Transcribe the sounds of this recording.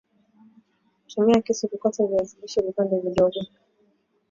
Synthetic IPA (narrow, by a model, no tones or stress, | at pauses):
tʰumiakisikukataviaziliʃɛvipandɛviɗɔɡɔ